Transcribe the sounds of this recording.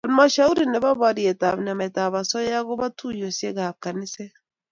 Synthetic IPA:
a˨lmaʃa˦u˦ɾine˨βa˦βa˦ɾje˨taβna˨ma˨ta˨βa˨sɔ˦ja˦ɣo˦βa˦tujo˨sje˦ɣaβ̚ka˨ni˦se˦

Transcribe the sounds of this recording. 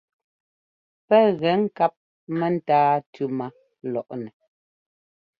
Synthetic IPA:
pɛ˦ɣɛ˨˦ŋ̩˦˨ka˦p̚ | mɛ˨n̩˦˨taː˦tʉ˦ma˦ | lɔ˨ʔnɛ˨

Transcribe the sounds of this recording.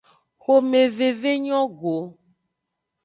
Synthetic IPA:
xo˦me˨ve˨ve˦ɲɔ̃˦ɡo˨

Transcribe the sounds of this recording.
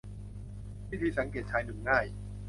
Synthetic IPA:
pʰiː˦˥˩t̪ʰiː˧sa˩˦ŋkeː˨˩t̚t͡ɕʰaː˧jnɯ˨˩ŋŋaː˥˩j

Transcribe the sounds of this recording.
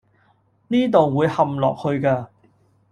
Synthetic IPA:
niː˥t̪o˨wːuː˨˧jhɐ˨mlɔ̰ː˨k̚hɵ˧ɥkaː˧

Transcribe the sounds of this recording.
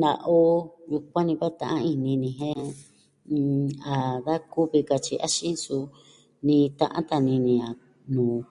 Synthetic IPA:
na˨˧ʔo˦ju˧kʷã˦nĩ˧βa˦t̪ã˧ʔã˦˧i˧nĩ˧nĩ˧ɦẽ˦˧ | a˨ða˦ku˦βi˧ka˧t͡ʃi˧ʔa˦ʃĩ˦su˧ | nĩ˧t̪ã̰˧ʔã̰˦t̪a˧nĩ˧nĩ˧a˨ | nũː˨

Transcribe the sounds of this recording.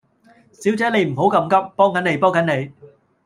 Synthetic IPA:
siː˨˥wt͡sɛː˨˥ne˨˧jm̩˨˩ɦo˨˥wkɐ˧mkɐ˥p̚pɔː˥ŋkɐ˨˥ne˨˧jpɔː˥ŋkɐ˨˥nne˨˧j

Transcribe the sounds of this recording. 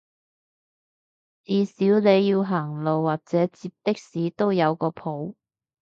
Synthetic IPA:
t͡siː˨˧siː˨˥wne˨˧jːiː˧wɦaː˨˩ŋlo˨wːaː˨˩k̚t͡sɛː˨˥t͡siː˧p̚t̪ɪ˥k̚siː˨˥t̪o˥wjɐ˨˧wkɔː˧pʰo˨˥w

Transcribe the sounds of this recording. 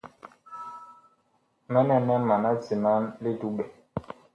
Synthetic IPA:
mɛ˦nɛ˦nɛ˦ma˨na˦t͡si˨ma˦nli˦du˦ɓɛ˨

